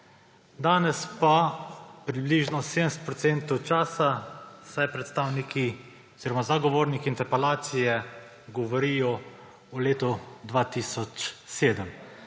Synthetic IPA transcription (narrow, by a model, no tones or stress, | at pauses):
d̪aːnɛspapɾibliːʒnɔseːd̪əmsɛt̪pɾɔt̪seːnt̪ɔwt͡ʃaːsasajpɾɛt̪st̪aːwnikʰi | ɔz̥iːɾɔmazaɡɔʋoːɾnikiːnt̪ɛɾpɛlaːt̪sijɛ | ɡɔʋɔɾiːjɔ | uleːt̪ɔd̪ʋaːt̪isɔt͡ʃseːd̪əm